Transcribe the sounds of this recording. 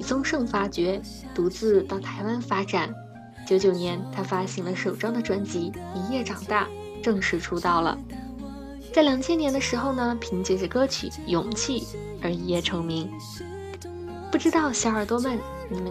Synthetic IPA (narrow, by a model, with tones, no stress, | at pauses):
i˨˩t͡sʊ˥ŋʂɤ˥˩ŋfa˥t͡ɕɥɛ˧˥ | t̪u˧˥t͡sɹ̩˥˧t̪ɑ˥˩ʊt̪ʰa˧˥ɪwa˥nfa˥ʈ͡ʂa˨˩˦n | t͡ɕjo˧˥ʊt͡ɕjo˨˩ʊnjɛ˧˥nt̪ʰa˥fa˥ɕi˧˥ŋlə˧ʂo˨˩ʊʈ͡ʂɑ˥ŋd̪ə˨ʈ͡ʂwa˧˥nt͡ɕi˧˥i˧˥ŋjɛ˥˩ʈ͡ʂɑ˨˩ŋt̪a˥˩ | ʈ͡ʂɤ˥˧ŋʂɻ̩˧˥ʈ͡ʂʰu˧˥t̪ɑ˥˩ʊlə̰˩ | t͡sa˥˩ɪljɑ˨˩ŋt͡ɕʰjɛ˥njɛ˧˥nd̪ə˧ʂɻ̩˧˥xo˥˧ʊnə˩pʰi˧˥ŋt͡ɕɥɛ˧˥t͡ɕkɤ˥t͡ɕʰy̰˨˩˦jʊ˨˩ŋt͡ɕʰi˥˩ | ə˧˥i˧˥jɛ˥˩ʈ͡ʂʰɤ˧˥ŋmi˧˥ŋ | pu˥˩ʈ͡ʂɻ̩˥t̪ɑ˥˩ʊɕjɑ˧˥ə˞˨˩t̪wɔ˥ma˥˩n | ni˨˩m˦